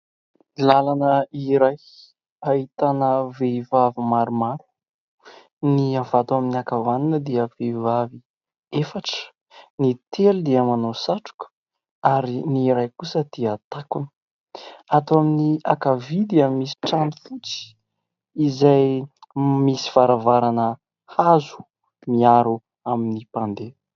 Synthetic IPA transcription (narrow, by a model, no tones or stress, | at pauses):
lalanəiɾaj | aɦit̪anəvevavimaɾumaɾu̥ | niavat̪uaminiakavanunəd̪iəvevavi | efaʈ͡ʂə̥ | nit̪ʰelud̪iəmanosaʈ͡ʂu̥kə̥ | aɾiniɾajkusəd̪̥iət̪akunə̥ | at̪uaminiakavid̪iammisi̥ʈ͡ʂanifut͡si̥ | izaj | misi̥v̥aɾavaɾanə | hazu̥ | miaɾu | aminipand̪e̥